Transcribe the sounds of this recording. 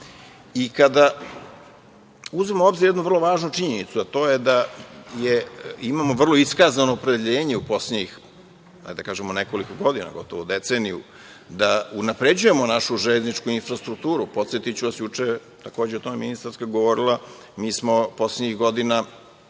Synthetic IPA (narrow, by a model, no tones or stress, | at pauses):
ikad̪a | uzemoo̞bziɾjed̪nuʋr̩lˠo̞ʋaːʒnut͡ʃiɲenit̪suat̪o̞ːjed̪ajeimaːmo̞ʋr̩lˠo̞iskazano̞ːpɾe̞d̪eʎe̞ːɲeupo̞sleix | a̰jd̪akaːʒemone̞ko̞likoɡo̞d̪ina̰ɡo̞t̪oʋod̪e̞t̪seːnijṵ | d̪aunapɾe̞d͡ʑuje̞mo̞naʃuʒeʎeznit͡ʃkuinfɾast̪ɾuk̚t̪uːɾupo̞t̪set̪it͡ɕuʋasjut͡ʂe | t̪akoːd͡ʑeot̪o̞meminist̪aɾskaɡoʋo̞ɾilˠa | miːsmo̞po̞sleɲixɡo̞d̪ina